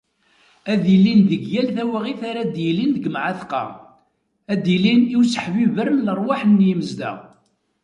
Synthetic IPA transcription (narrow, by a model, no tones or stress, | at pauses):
æðilind̪əɡjælθæwæʁiθaɾæd̪jəlind̪ɡəmʕaθqɑ̰ | æd̪iliniwsə̥ħvivəɾmlərˤwaħnːjəməzd̪æ̰